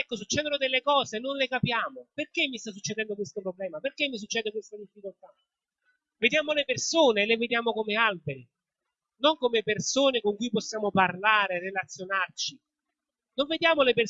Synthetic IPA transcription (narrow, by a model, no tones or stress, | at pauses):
ɛkːos̬ut͡ʃːɛːd̪onʊd̪elːekɔːzenːonlekapjaːmoperkemːist̪as̬ːut͡ʃːed̪ɛnd̪okwest̪opɾoblɛːmaperkemːis̬ut͡ʃːɛːd̪ekwest̪ad̪ifːikolt̪a | ved̪jaːmolepersoːneːleved̪jaːmokomealbeɾi | noŋkomepersoːnekoŋkujpɔsːjaːmoparlaːɾerelat̪sjonart͡ʃi | noɱved̪jaːmoleper